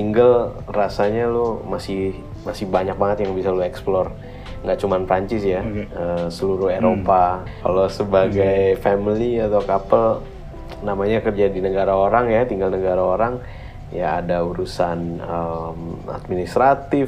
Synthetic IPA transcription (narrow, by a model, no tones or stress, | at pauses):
t̪iŋɡəl | rasaɲalʊmasɪh | masɪhbaɲak̚baŋət̪jaŋbisaluɛksplɔr | ŋɡaʔt͡ʃumanfɾaɲt͡ʃɪsjaəsəluɾʊheɾopa | ka̰lasəbaɡajfɛmiliat̪awkapəl | namaɲakərd͡ʒadinəɡaɾaoɾaŋjat̪iŋɡalnəɡaɾaoɾaŋ | ja̰ːdauɾusanəma̰t̪̚minist̪ɾat̪ɪf